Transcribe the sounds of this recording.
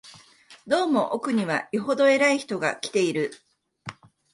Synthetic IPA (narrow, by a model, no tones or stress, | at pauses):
d̪o̞ːmo̞ʔokɯ̟ɲ̟iβ̞a̰iɦo̞d̪o̞e̞ɾaiçi̥t̪o̞ɡa̰kʲi̥t̪e̞iɾɯ̟